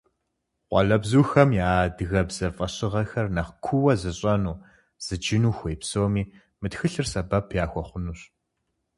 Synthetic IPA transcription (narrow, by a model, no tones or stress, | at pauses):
qʷɑ̰ɮɐbzuːxɐmjaːdɨɣɐbz̥ɐfʼɐɕʼɪʁɐxɐrnɐχkʷʰʊwɐzɨɕʼɐnuː | z̥ɨd͡ʒɪnuːxʷejpsoːmiː | mɨtxɨɬɨrsɐbɐpʰjaːxʷɔχʷʊnuːɕ